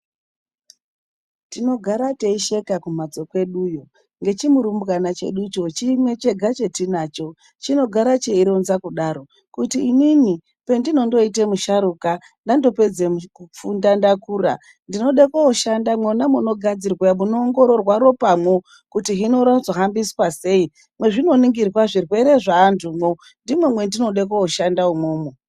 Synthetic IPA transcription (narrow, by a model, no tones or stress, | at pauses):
tino̞ɡʱaɾateiʃe̞kakumad͡zo̞kwe̞ɗujo̞ | ŋɡe̞t͡ʃimuɾumbɣanat͡ʃe̞̰ɗut͡ʃo̞t͡ʃimwe̞t͡ʃe̞ɡʱat͡ʃe̞tinaːt͡ʃo̞ | t͡ʃino̞ɡʱaɾat͡ʃeiɾonzakuɗaɾo̞ | kutiːmimi | pe̞ndino̞ndo̞ite̞muʃaɾuka | ndando̞pe̞d͡zemukup͡fundandakuːra̰ | ndino̞ɗekooʃandamwenamuno̞ɡʱad͡zirwamunoːŋɡo̞ɾo̞rwaɾo̞pamwo̞ | kutiɦino̞ɾazoɦambiswase̞i | mwe̞ʐino̞niŋɡirwaʐirwe̞ɾe̞ʐaːntʰumwo | ndimwemwe̞ndino̞ɗekooʃandaumoːmo